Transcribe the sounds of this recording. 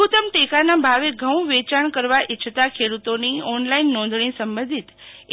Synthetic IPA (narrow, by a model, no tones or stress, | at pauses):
ut̪əmʈekanabʱaʋeɡʱə̃wʋet͡ʃaɳ̃kəɾʋaʔit͡ʃʰt̪akʰeɽut̪oniɔnlainːɔ̃nd̪ʱɳ̃ĩsəmbə̃nd̪ʱit̪